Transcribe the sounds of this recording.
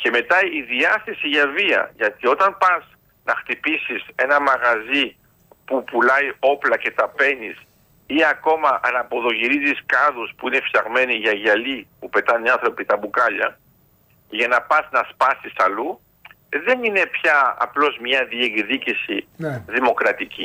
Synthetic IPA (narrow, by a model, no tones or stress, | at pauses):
ce̞me̞t̪ɐiðiɐθe̞siʝɐviɐ̰ʝɐt̪io̞t̪ɐnpɐz | nɐxt̪ipisise̞nɐmɐɣɐzi | pupulɐjo̞plɐce̞t̪ɐpe̞nis | iɐko̞mɐʔɐnɐpo̞ðo̞ʝiɾiziskɐðuspuine̞fçɐɣme̞niʝɐʝɐlipupe̞t̪ɐniɐnθɾo̞pit̪ɐbukɐʎɐ | ʝɐnɐpɐznɐspɐsisɐlu | ðe̞nine̞pçɐɐ̰plo̞zmɲɐðieɡðicisinðimo̞kɾɐt̪ici